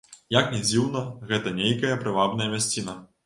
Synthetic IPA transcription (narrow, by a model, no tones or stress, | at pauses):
jaknʲɛd͡zʲiwnɐɣɛt̪ɐnʲejkɐjɐpɾɨvabn̪ɐjɐmʲasʲt͡sʲinɐ